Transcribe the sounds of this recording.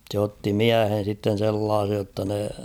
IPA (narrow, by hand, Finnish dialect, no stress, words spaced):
sĕ otːi miæhen̞ sitːen̞ selːɑːsej jotːɑ ne